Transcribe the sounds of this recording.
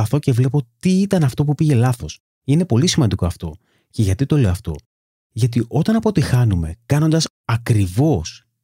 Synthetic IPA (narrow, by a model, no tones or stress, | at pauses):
ɐθo̞ce̞vle̞po̞t̪iit̪ɐnɐft̪o̞pupiʝe̞lɐθo̞s | ine̞po̞lisimɐnd̪iko̞ɐft̪o̞̰ | ce̞ʝɐt̪it̪o̞leoɐft̪o̞̰ | ʝɐt̪iʔo̞t̪ɐnɐpo̞t̪ixɐnume̞̰kɐno̞nd̪ɐs | ɐkɾivo̞s